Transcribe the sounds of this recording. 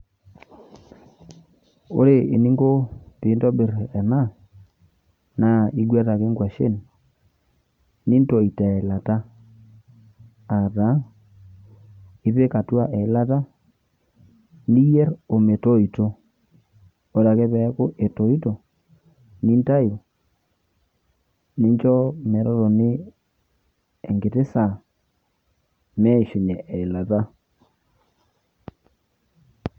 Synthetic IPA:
o̰˦ɾe˨ʔe˨ni˦ŋɡo˦ti˨˦ntɔ˦be˨ɾɛ˨na˦˨ | na˦˨i˦ɡɛ˦ɾa˨ke˦ŋɡwa˨ʃe˦n | ni˦nto˨i˨ta˨e˨la˨ta˦ | a˨da˨˦ | i˦pe˦ka˨twa˦ʔe˨˦la˦ta˦ | ni˦jɛ˦ɾo˨me˨to˦i˨to˦ | o˨ɾa˨ke˦βɛ˨˦ko˦ʔe˨to˨i˦to˨ | ni˦nta˦jo˨ | ni˦ɲt͡ʃɔ˦mɛ˨ɾɔ˦ɾo˨nɪ˦ | e˨ŋɡe˨te˦sa˨ | mɛ˦˨ʃi˨ɲɛ˨ʔɛ˨la˨ta˦

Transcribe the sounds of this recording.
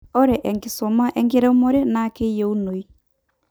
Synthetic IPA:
ɔ˦ɾɛ˨ʔɛ˨ŋɡi˨sɔ˨ma˦ʔɛŋɡe˦ɾɛ˦u˦mɔ˦ɾe˦nake˦jɛu˦no˨i˦

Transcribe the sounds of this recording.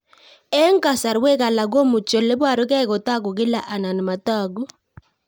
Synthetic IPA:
ɛ˦ŋ˦ka˨sa˨ɾwe˦ka˨la˨ɡo˦mu˨t͡ʃɔ˨le˦ba˦˨ɾʊ˦kɛ˦˨kɔ˨ta˦ɡʊ˨ɡɪ˦la˨ʔa˨na˨n˨ma˨ta˦˨ɡu˦

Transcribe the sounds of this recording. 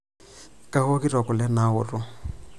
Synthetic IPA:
kʼa˦ɣɔ˦ki˦rɔ˨kɔ˨lɛ˦na˦ʊ˨rʊ˦

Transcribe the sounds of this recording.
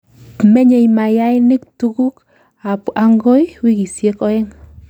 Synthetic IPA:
me˦ɲe˨jma˨ja˦ɪnɪ˦ktu˦ɡu˦k | apa˨ŋɡo˦jwi˦ɡi˨sje˦kɔ˦ɛ˦ŋ

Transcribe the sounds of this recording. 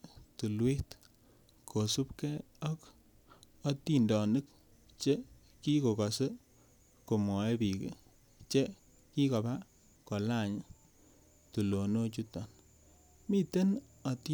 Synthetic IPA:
tu˨lwi˦t | kʰo˨su˦pkɛ˦ | ɔ˦k | ɔ˦ti˦ndɔ˨nɨ˦k̚ | t͡ʃe˦ | ki˦ko˨ka˨sə˦ | ko˨mɔ˨e˦pi˨kḛ˨ | t͡ʃe˦ | ki˦ka˨ba˦ | ko˨la˦˨ɲ˦ | tu˨lo˨no˦t͡ʃu˦tɔ˨n | mi˦te˦n | ɔ˨ti

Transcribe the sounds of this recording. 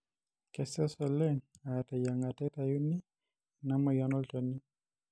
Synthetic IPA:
kɛ˨sɛ˦sɛ˨lɛ˦na˨ta˨ja˨ŋa˨tɛ˦ta˨ju˦ni˦ | na˦mɔ˨ja˨˦nɔ˦ltɔ˨ni˦

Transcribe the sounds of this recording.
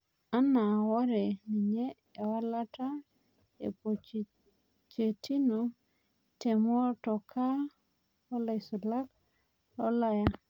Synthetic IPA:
a˦na˨wɔ˦ɾɛ˨ni˨ɲeː˦˨ | wa˦la˦ta˦ | ḛ˨po˨t͡ʃ | t͡ʃe˨ti˦no˦ | te˨mɔ˦tɔ˨kʰa˦ | ɔ˦la˨jsu˨la˦k | ɔ˦la˦ja˦

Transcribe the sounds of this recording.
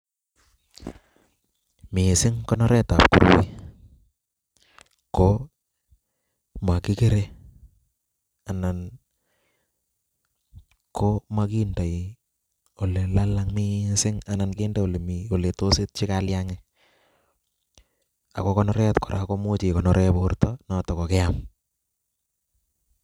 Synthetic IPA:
mɪ˨sɪ˦ŋkɔ˦nɔ˦ɾɛ˦ta˨p̚ku˨ɾu˨wḭ˦ | ko | ma˨kɪ˦ke˦ɾe˦ | a˨na˨n | ko˦ma˦ki˦nda˨i˨ | o˨le˨la˦la˦ŋmi˦nsɪ˦ŋa˨na˨nkeː˦ndɛ˦o˨le˨mi˨o˨le˨to˦sɪ˦t̚t͡ʃɪ˦kaljaŋɛ | a̰˨ko˦kɔnɔɾɛtkɔ˨ɾʔa̰˨ko˦mo˦t͡ʃi˨kɔ˨nɔɾʔɛ˦poːrtɔnɔ˦tɔ˨kɔ˨ke˦am

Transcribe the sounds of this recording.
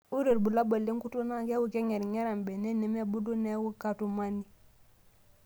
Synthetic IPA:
u˦ɾi˨ɾbu˨la˦bə˨lːi˦ŋku˦tu˦na˦ke˦wu˨ke˦ŋe˨ɾŋe˦ɾa˨mbe˨ne˦ni˨me˦bu˦du˦ne˦wu˦ka˨tu˨ma˦ni˦

